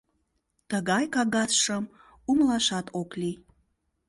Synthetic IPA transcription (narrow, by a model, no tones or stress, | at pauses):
t̪əɣɑjkɑɣɑsʃəm | umlˠɑʃɑt̪ʰokli